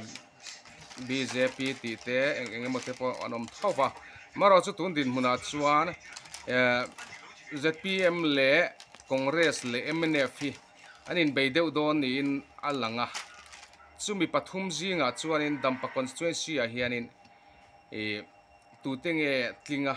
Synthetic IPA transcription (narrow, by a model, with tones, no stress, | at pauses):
bize˧pi˧t̪i˨t̪e˦ŋɛ˨ŋɛmɔt̪ɛ˧pɔa̰˧nɔ˨mt̪ʰɔ˦wpa˧˨maɾa˨t͡su˦t̪u˨˥nd̪i˨nm̥u˨na˨t͡su˧a˧n | zɛ˧t̪̚pi˧ɛ˧mlɛ˨kɔ˨ŋɡɾɛslɛ˨ʔɛmɛnɛ˧fhi˧ | a˧ni˨nbe˨jd̪ɛ˦wd̪ɔ˧nːiː˨na˧la˨ŋa˧ | t͡su˦mi˨pa˧t̪ʰu˦mzi˦ŋa˨t͡su˦a˧ni˧˨nd̪a˨mpa˨kɔ˨nst̪wɛnsi˧a˨ɦi˧a˧ni˧˨n | t̪u˨t̪ɛ˦ŋɛ˧t͡ɬi˧ŋa˧